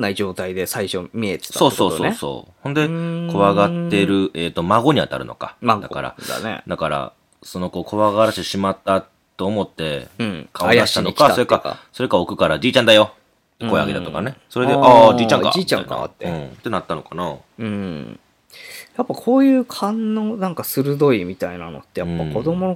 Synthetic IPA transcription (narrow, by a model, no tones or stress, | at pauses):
naid͡ʑo̞ːt̪aid̪e̞saiɕomʲiet̪so̞ːso̞ːsoːso̰ːhõ̞nd̪e̞kʰo̞βaɡat̪ːe̞ɾɯ̟ʔeːt̪ːo̞maɡo̞ɲ̟iβa̰t̪a̰ɾɯ̟no̞̰ka̰ad̪a̰kaɾa̰d̪a̰nḛd̪akaɾa̰ | so̞no̞ko̞ːkʰoβaɡaɾaɕit̪eɕimat̪ːa | t̪ːo̞ːmo̞t̪ːe̞kʰaod̪aɕi̥t̪anokkaso̞ɾekaa̰so̞ɾe̞kao̞kɯ̟kaɾad͡ʑiːt͡ɕãnd̪ajo̞ | koa̰ɡet̪at̪o̞kane̞so̞ɾed̪eʔad͡ʑiːt͡ɕãŋka̰iiãa̰ka̰t̪ːeɯ̟̃ːt̪e̞nat̪ːano̞kana | ɯ̃ | japːakʰo̞ːjɯːkʰãnːoːnãŋkasɨɾɯ̟d̪o̞imʲit̪ainano̰t̪ːe̞japːako̞d̪o̞mono